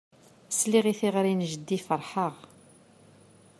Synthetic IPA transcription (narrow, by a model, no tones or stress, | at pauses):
sliʁiθiʁɾinʒəd̪ːifəɾˤħəʁ